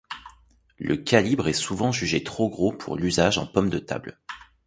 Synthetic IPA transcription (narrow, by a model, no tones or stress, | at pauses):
lʔə̰kʲalibʁɛsuvɑ̃ʒyʒet̪χoɡʁopʰṵʁlyzaʒɑ̰̃pɔmd̪ət̪a̰bl